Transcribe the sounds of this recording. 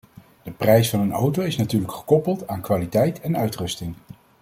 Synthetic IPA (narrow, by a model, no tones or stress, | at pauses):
d̥əprɛjsfɑnəno̰wtowɪsnatyːɹləkχə̥kɔpəlˠtaːnkʋaːlitɛjtɛnœɥtrɵstɪŋ